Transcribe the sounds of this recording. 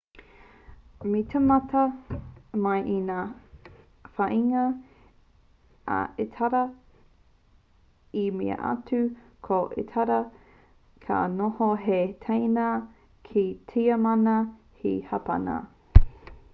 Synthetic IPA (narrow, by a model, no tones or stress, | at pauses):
mitʰemɐtʰɐ | mɐjʔinaː | faʔiŋɐ | a̰etʰaɾɐ | imḭɐ̰ʔa̰tʉ | kʰoʔḛtʰaɾɐ | kʰa̰nohoɦetʰejna | kʰitʰiɐmɐnɐ | hḭhɐpɐ̰na̰